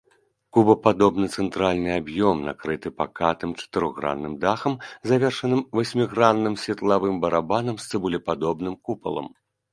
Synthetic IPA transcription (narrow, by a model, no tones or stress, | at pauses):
kubɐpad̪ɔbnɨt̪sɛnt̪ɾalʲnɨabjɔmna̰kɾɨt̪ɨpa̰kat̪ɨmt͡ʂɐ̥t̪ɨɾɔɣɾa̰nːɨmd̪axɐmzavʲɛrʂɐnɨmvasʲmʲiɣɾanːɨmsʲvʲɛt̪lˠavɨmbɐɾabanɐmst̪sɨbulʲɛpad̪ɔbnɨmkupɐ̰lˠɐ̰m